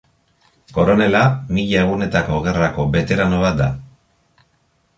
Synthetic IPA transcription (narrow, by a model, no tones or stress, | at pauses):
ko̞ɾo̞ne̞lamiʎae̞ɣ̞une̞t̪ako̞ɣe̞rako̞βe̞t̪e̞ɾano̞β̞at̪̚d̪a̰